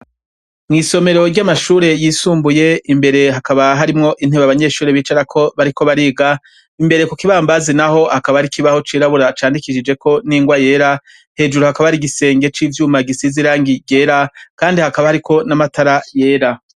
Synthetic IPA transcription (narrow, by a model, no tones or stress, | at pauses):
mŋiːso̞me̞ɾo̞ɾɟamaʃuːɾe̞jiːsuːmbuje̞imbe̞ɾe̞ɦakaβaɦaɾimŋo̞ʔin̥eβaβaɲe̞ːʃuːɾeβiːt͡ʃaɾakʰo̞βaɾiko̞βaɾiːɡa | imbe̞ɾe̞kukiβaːmbazinaho̞hakaβaɾikiβaho̞t͡ʃiːɾaβuɾat͡ʃaːndikiʃid͡ʒe̞kʰo̞niːŋɡwaje̞ːɾa | he̞ːd͡ʒuɾuhakaβaaɾiɡise̞ːŋɡe̞t͡ʃiːvjuːmaɡisiziɾaːŋɡiɟe̞ːɾakaːndihakaβahaɾikʰo̞namataɾaje̞ːɾa